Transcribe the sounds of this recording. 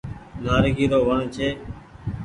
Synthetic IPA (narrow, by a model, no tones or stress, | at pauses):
naːɾɡiːɾoːʋəɳt͡ʃʰeː